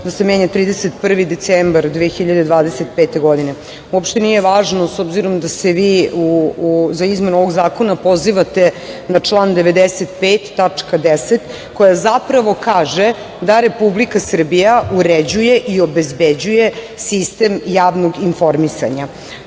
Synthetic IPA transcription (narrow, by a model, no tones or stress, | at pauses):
d̪asemeɲat̪ɾiːd̪eset̪pr̩ʋid̪et̪seːmbaɾd̪ʋexiʎad̪ed̪ʋaːd̪eset̪peːt̪eɡo̞d̪ine | uopʃt̪enijeʋaːʒnosobziɾomd̪aseʋiːuzaizme̞nuoʋo̞ɡzaːkonapo̞ziʋat̪e | nat͡ʂlˠand̪eʋed̪eset̪peːt̪ːat͡ʂkad̪eset̪ | kojazapɾaʋo̞kaːʒe | d̪aɾe̞publikasr̩bijauɾed͡ʑujeʔio̞bezbed͡ʑuje | sist̪emjaːʋnoɡinfo̞ɾmisa̰ɲa